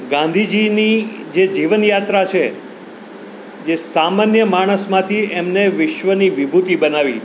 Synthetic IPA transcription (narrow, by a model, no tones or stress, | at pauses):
ɡãnd̪ʱid͡ʒinid͡ʒed͡ʒiʋənjat̪ɾat͡ʃʰe | d͡ʒesamanjəmaɽ̃əsmãt̪ʰiemneʋɪʃʋəniʋɪbʱut̪ibənaʋḭ